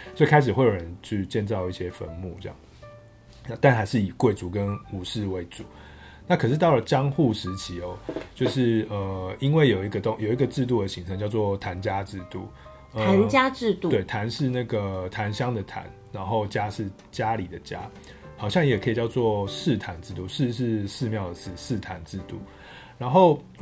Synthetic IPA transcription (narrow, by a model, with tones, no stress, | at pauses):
swɔ˧˥i˨˩kʰa˥ɪʂ̬ɻ̩˨˩xwe˥˩ɪjo˨˩ɻə˧˦nt͡ɕʰy˥˧t͡ɕjɛ˥˧nt͡sɑ˥˧ʊi˥˩ɕjɛ˦fə̰˧˦nmṵ˥˨˩ʈ͡ʂə˥˧jɑ̰˥˩ŋ | a˥˩t̪a˥˩nxa˧˥ɪʂɻ̩˥˩i˨˩kwe˥˩ɪt͡su˨˧˥kə˦nu˨˩ʂɻ̩˥˧we˧˥ɪt͡su˨˦ | na˥˩kʰɤ˨˩ʂ̬ɻ̩˥˧t̪ɑ˥˩ʊlə˩t͡ɕjɑ˦˥ŋxu˥˩ʂɻ̩˧˥t͡ɕʰi˧˦ɔ˧˦t͡ɕjo˥˧ʊʂɻ̩˥˩ə˩i˥nwe˥˩ɪjo˨˩ʊi˧˥ɡə˧t̪o˥˦ŋjo˨˩ʊi˧˥ɡə˨ʈ͡ʂɻ̩˥˧t̪̬u˥˩d̪ə˩ɕi˧˥ŋt͡sʰɤ˧˦ŋt͡ɕjɑ˥˧ʊt͡swɔ˥˩t̪ʰa˧˦nt͡ɕja˦ʈ͡ʂɻ̩˥˧t̪ṵ˥˨ | ə˧a˨˧˥nt͡ɕja˥ʈ͡ʂɻ̩˥˧t̪u˨t̪we˥˩ɪt̪ʰa˧˦nʂɻ̩˥˧na˥˩ɡə˩t̪ʰa˧˦nɕjɑ˦ŋd̪ə˨t̪ʰa̰˧˦n | na˧˥nxo˥˩ʊt͡ɕja˦˥ʂɻ̩˥˩ | t͡ɕja˦li˨˩d̪ə˦t͡ɕja̰˦ | xɑ˨˩ʊɕjɑ˥˩ŋjjɛ˨˩kʰə˦˥i˨˩t͡ɕjɑ˥˧ʊt͡swɔ˥˨˩ʂɻ̩˥˨t̪ʰa˧˦nʈ͡ʂɻ̩˥˧t̪u˥˨ʂɻ̩˥˧ʂɻ̩˥˧ʂɻ̩˥˧mjɑ˥˨˩ʊd̪ə˩ʂɻ̩˥˩ʂɻ̩˥˩t̪ʰa˧˦nʈ͡ʂɻ̩˥˧t̪ṵ˥˩ | ɻa˧˥˦nxo˥˩ʊ